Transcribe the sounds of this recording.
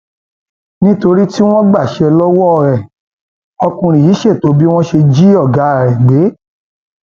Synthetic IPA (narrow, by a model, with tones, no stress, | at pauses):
nĩ˦to˧ɾi˦ti˦w̃ɔ̃˦ɡ͡ba˦˨ʃɛ˧lɔ˦wɔ˦˧˨ɾɛ˨ | ɔ˧kũ˧ɾ̃ĩ˨ji˨˦ʃe˦˨to˨˦bi˦w̃ɔ̃˦ʃe˧d͡ʒi˦ɔ˦˨ɡa˨˦˨ɾɛ˨ɡ͡be˨˦